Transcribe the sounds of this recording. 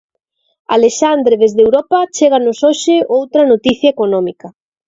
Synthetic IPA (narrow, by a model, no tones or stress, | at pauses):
aleʃand̪ɾeðezðewɾɔpɐt͡ʃeɣanʊsoʃeʔowt̪ɾɐnot̪iθjɐekonɔ̃mikɐ